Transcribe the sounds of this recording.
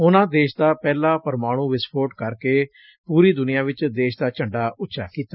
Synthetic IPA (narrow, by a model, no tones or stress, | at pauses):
ʊnãːd̪eːʃd̪aːpɛːlãːpəɾmaːɽ̃ũːʋɪspʰoːʈkəɾkeː | puːɾiːd̪ʊnɪjãːʋɪt͡ʃd̪eːʃd̪aːt͡ʃʰəɳɖaːʊtːʃʰa̰ːkiːt̪aː